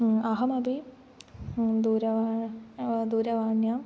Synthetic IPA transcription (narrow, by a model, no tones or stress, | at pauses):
ɐɦɐmɐbʱi | d̪uːɾɐʋa | d̪uːɾɐʋaːɳjaːm